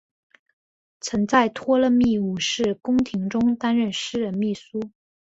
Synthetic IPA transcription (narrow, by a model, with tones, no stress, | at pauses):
t͡sʰə˧˥ŋt͡sa˥˩ɪt̪ʰwɔ˥lə˥˧mi˥˩u˨˩ʂɻ̩˥˩kʊ˥ŋt̪ʰi˧˥ŋʈ͡ʂʊ˥ŋt̪a˥nɻə˥˩nʂɻ̩˥ɻə˧˥nmi˥˩su˥